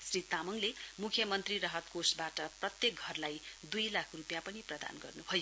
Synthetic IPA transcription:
srit̪amʌŋlemukʰjʌmʌnt̪riɾʌɦʌt̪kosbaʈʌprʌt̪jek̚ɡʱʌrlajd̪ujlakʰrupjapʌniprʌd̪a̰nɡʌrnubʱʌjo

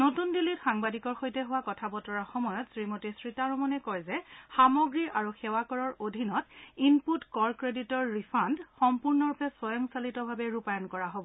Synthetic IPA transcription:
notundilitxaŋbadikɔɹxojtɛɦuwakɔtʰabɔtɔɹaxɔmɔjɔtsɹimotisɹitaɹɔmɔnɛkɔjzɛxamɔɡɹiɹaɹuxɛwakɔɹɔɹodʱinɔtinputkɔɹkɹeditɔɹːipʰandxɔmpuɹnɔɹupʰɛsɔjɔŋsalitɔbʱabɛɹupajɔnkɔɹaɦobɔ

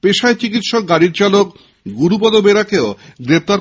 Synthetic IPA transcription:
peʃaet͡ɕikit̪ʃɔk̚ɡaɽiɾt͡ɕalok | ɡuɾupɔd̪obeɾakeoɡɾep̚t̪aɾ

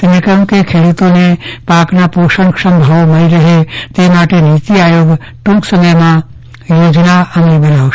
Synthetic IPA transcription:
t̪nɪkəmkekʰeːɽut̪õnepaːknapoːʃənksə̃mbʱəʋmɐliɾəɦet̪emaːʈeniːt̪iaːjoːɡ | ʈũksəməjmã | joːd͡ʒnaəmẽbənaːw

